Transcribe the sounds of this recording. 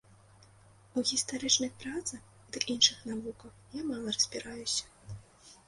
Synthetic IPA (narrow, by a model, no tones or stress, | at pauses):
uɣʲist̪aɾɨt͡ʂnɨxpɾat̪sɐx | d̪ɨkinʂɨxnavukɐwjamalˠɐrɐz̥ʲbʲiɾajusʲɐ̥